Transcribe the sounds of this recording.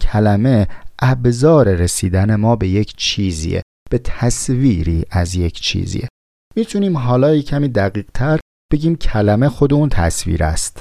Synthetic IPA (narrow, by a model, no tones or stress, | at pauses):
cʰælæme̞ʔæbzɒːɾe̞ɾesiːd̪æne̞mɒːbe̞je̞cʰt͡ʃʰiːzḭḛ | b̥e̞t̪ʰæsviːɾiːʔæzje̞cʰt͡ʃʰḭːzḭe | miːt̪ʰuniːmɦɒːlɒːjecʰæmiːd̪æɣiːɢ̥t̪ʰæɾ | b̥e̞ɟiːmcʰælæme̞xo̞d̪eunt̪ʰæ̰svḭːɾæ̰st̪